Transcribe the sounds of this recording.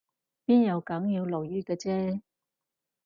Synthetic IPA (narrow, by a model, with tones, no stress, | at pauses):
piː˥njɐ˨˧wkɐ˨˥ŋjiː˨˧wlo˨˩wjyː˥kɛː˧t͡sɛː˥